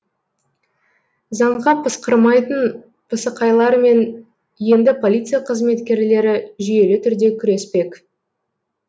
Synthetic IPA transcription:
zɑɴʁɑpʰəsqəɾmɑjt̪ən | pʰəsəqɑjlˠɑɾme̞n | je̞nd̪ɪpʰo̞lʲˠit̪sɨjaqʰəzme̞t̪kʲe̞ɾle̞ɾɪʒije̞lɪt̪ʰʏɾd̪e̞kʲʰʏɾe̞spe̞k

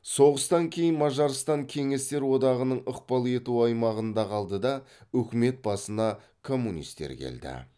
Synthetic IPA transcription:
so̞ʁəst̪ɑŋkʲʰe̞jɪnmɑʒɑɾst̪ɑŋkʲʰe̞ŋe̞st̪e̞ɾwo̞d̪ɑʁənəɴəqpɑlˠe̞t̪uɑjmɑʁənd̪ɑqʰɑlˠd̪əd̪ɑɵkʲɪme̞t̪̚bɑsənɑ | kʰo̞mːunḭst̪ḛɾkʲʰe̞̰ld̪ɪ̰

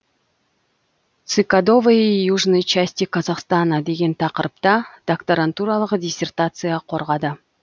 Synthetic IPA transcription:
t̪sɨkad̪o̞vəijuʐnəjt͡ʃasʲt̪ʲikʰɑzɑqst̪ɑnɑd̪e̞ɡʲe̞nt̪ʰɑqəɾp̚t̪ɑd̪̥ɐkt̪oɾant̪uɾɑlˠəqdʲɪsʲe̞rt̪at̪sɨjɑqʰo̞ɾʁɑd̪ə

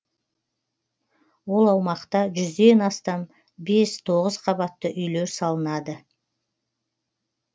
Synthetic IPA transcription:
wo̞lˠɑwmɑqt̪ɑʒʏzd̪e̞nɑst̪ɑm | be̞st̪ʰo̞ʁəz̥qʰɑbɑt̪ːəʔʏjle̞ɾsɑlˠənɑd̪ə

